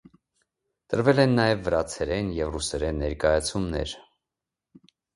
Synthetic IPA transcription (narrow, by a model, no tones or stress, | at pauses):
t̪əɾvɛlɛnːɑjɛvːəɾɑt͡sʰɛɾɛnjɛvrusɛɾɛnːɛɾkɑjɑt͡sʰumnɛ̰ɾ